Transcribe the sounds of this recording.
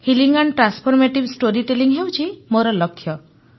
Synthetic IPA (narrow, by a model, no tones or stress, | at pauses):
hiliŋɡanʈɾanspʰɔɾmeʈibsʈoɾiʈeliŋɦewt͡ʃʰimoɾɔlɔkʰːjɔ